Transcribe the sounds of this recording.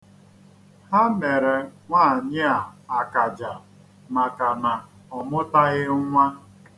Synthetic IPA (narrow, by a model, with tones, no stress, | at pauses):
ha˦me˨ɾe˨ŋʷaː˦˨ɲɪ˦a˨a˨ka˨d͡ʒa˨ | ma˨ka˨na˨ | ɔ˨mʊ˦ta˦ɣɪ˦ŋʷa˦